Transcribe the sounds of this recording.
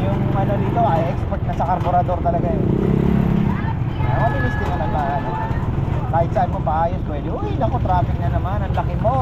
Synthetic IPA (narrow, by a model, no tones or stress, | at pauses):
jʊŋʔɐno̞d̪it̪o̞ʔɐjʔɛkspɛɾt̪̚nɐsɐkoɾpoɾɐd̪o̞ɾt̪ɐlɐɡajo | ɐʔɐnɪmɪst̪ɪmɐlɐŋbaːhan | t̪ajɪt̪sɐʔanmomɐʔaːjospwɛd̪ɪʔojnɐkot̪ɾaːfɪk̚nɐnɐmanɐŋlɐkɪmo